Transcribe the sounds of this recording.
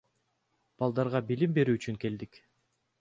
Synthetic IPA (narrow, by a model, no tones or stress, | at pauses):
b̥ɑlˠd̪ɑɾʁɑbilimbe̞ɾyːt͡ʃyŋke̞ld̪ik